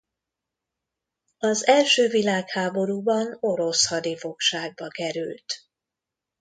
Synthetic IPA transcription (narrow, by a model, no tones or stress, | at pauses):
ɒzɛlʃøːvilaːkhaːbo̞ɾuːbɒno̞ɾo̞shɒd̪ifo̞kʃaːɡ̚bɒkɛɾylt̪